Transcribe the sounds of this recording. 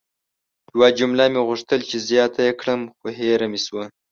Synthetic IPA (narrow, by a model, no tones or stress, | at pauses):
jwad͡ʒumlamiɣʊʂt̪əlt͡ʃizjɑːt̪ajekʰɽəmxoɦeɾamiswa